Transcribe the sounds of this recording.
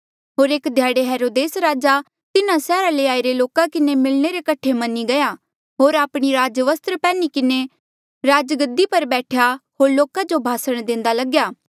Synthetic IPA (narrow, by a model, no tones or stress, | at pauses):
ɦoːɾeːkd̪ʱjaːɽeɦɛːɾoːd̪eːsɾaːd͡ʒa | t̪ɪnãsɛːɾaleaːiɾeloːkakɪnemɪlneɾekɐʈʰemɐnːiɡɐja | ɦoːɾaːpɽ̃iɾaːd͡ʒʋəst̪ɾpɛːnikɪne | ɾaːd͡ʒɡəd̪ipɐɾbɛːʈʰjaɦoːɾloːkad͡ʒobʱaːsəɽ̃d̪ɪ̃ːnd̪alɐɡjaː